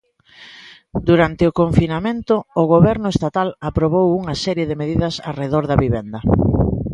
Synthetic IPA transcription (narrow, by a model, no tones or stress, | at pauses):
d̪uɾant̪ɪʊkoɱfinamẽnt̪ʊːɣoβɛɾnʊest̪at̪alapɾoβowuŋɐsɛɾjeðɪmeðiðɐsa̰reðoɾðɐβiβɛnd̪ɐ